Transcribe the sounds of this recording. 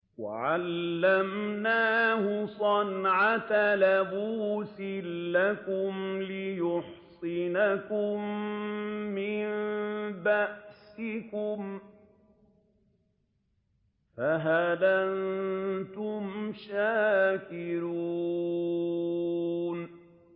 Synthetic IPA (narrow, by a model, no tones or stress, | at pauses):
wa̰ʕalːamnaːhʊsˤɑnʕat̪alabuːsɪlːakʊmlɪjʊħsˤɪnakʊmː | ɪnbaʔsɪkʊm | faɦadant̪ʊmʃaːkɪɾuː | n